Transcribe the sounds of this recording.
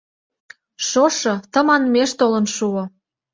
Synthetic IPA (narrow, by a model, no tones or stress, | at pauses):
ʃoʃɤ̆t̪ə̆mɑnmeʃt̪olə̆nʃuŏ